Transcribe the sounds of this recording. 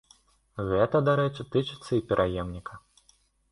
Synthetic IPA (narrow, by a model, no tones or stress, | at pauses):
ɣɛt̪ɐd̪aɾɛt͡ʂɨt̪ɨt͡ʂɨt̪sːɐipʲɛɾʔajɛmnʲikɐ